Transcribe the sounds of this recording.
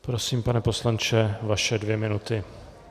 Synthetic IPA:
pɾo̞siːmpanɛpo̞slant͡ʃɛvaʃɛdvjɛmɪnut̪ɪ

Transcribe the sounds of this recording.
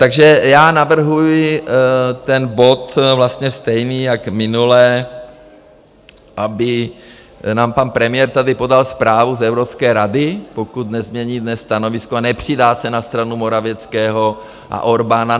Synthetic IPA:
t̪aɡʒɛjaːnavr̩ɦujɪ | t̪ɛnbo̞t̪vlast̪ɲɛst̪ɛjniːjakmɪnulɛː | ʔabɪ | naːmpanpɾɛmɪjɛɾt̪adɪpo̞dalspɾaːvuzɛwɾopskɛːɾadɪpo̞kut̪nɛzmɲɛɲiːdnɛsːt̪anovɪskoanɛpr̝̥ɪdaːsɛnast̪ɾanumo̞ɾavjɛt͡skɛːɦo̞ | ʔa̰ʔo̞ɾbana

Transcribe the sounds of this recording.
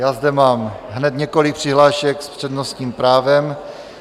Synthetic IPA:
jaːzd̪ɛmaːmɦnɛt̪ɲɛkolik̚pr̝̥ɪɦlaːʃɛkspr̝̥ɛdnost̪ɲiːmpɾaːvɛm

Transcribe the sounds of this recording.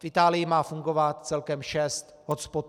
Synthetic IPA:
fʔɪt̪aːlɪjɪmaːfuŋɡo̞vat̪̚t͡sɛlkɛmʃɛst̪ɦospot̪

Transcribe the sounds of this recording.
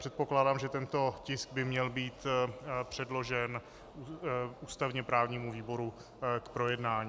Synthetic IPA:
r̥ɛt̪̚po̞klaːdaːmʒɛt̪ɛnt̪o̞cɪsɡ̚bɪmɲɛlbiːt̪pr̝̥ɛdlo̞ʒɛn | uːst̪avɲɛpɾaːvɲiːmuviːbo̞ɾu | kpɾo̞jɛdnaːɲi

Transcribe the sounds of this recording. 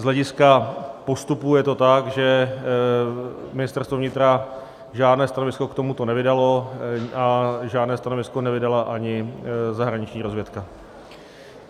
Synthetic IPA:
zlɛɟɪskapo̞st̪upujɛt̪o̞t̪akʒɛ | mɪnɪst̪ɛrst̪vovɲɪt̪ɾa | ʒaːdnɛːst̪ano̞vɪsko̞kt̪o̞mut̪o̞nɛvɪdalo̞aʒaːdnɛːst̪ano̞vɪsko̞nɛvɪdalaʔaɲɪzaɦɾaɲɪt͡ʃɲiːɾo̞zvjɛt̪ka

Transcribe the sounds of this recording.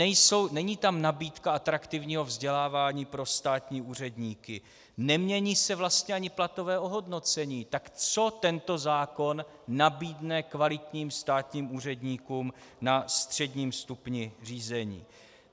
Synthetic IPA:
ɛjso̞wnɛɲiːt̪amnabiːt̪kaat̪ɾakt̪ɪvɲiːɦo̞vzɟɛlaːvaːɲiːpɾo̞st̪aːt̪ɲiːuːr̝ɛdɲiːkɪ | nɛmɲɛɲiːsɛvlast̪ɲɛaɲɪplat̪o̞vɛːʔo̞ɦo̞dno̞t͡sɛɲiːt̪akt͡so̞t̪ɛnt̪o̞zaːko̞nː | abiːdnɛkvalɪt̪ɲiːmst̪aːt̪ɲiːmuːr̝ɛdɲiːkuːmnast̪r̝̥ɛdɲiːmst̪upɲɪr̝iːzɛɲḭː

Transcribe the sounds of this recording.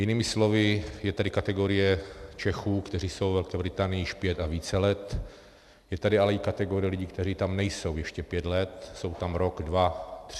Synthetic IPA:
jɪniːmɪslovɪjɛt̪adɪkat̪ɛɡo̞ɾɪjɛt͡ʃɛxuːkt̪ɛriːso̞wvɛlkɛːbɾɪt̪aːnɪjiʃpjɛt̪aviːt͡sɛlɛt̪ | jɛt̪adɪalɛɪkat̪ɛɡoɾɪjɛlɪɟiːkt̪ɛɾiːt̪amnɛjso̞wjɛʃcɛpjɛt̪lɛt̪̚so̞wt̪amɾoɡdvat̪r

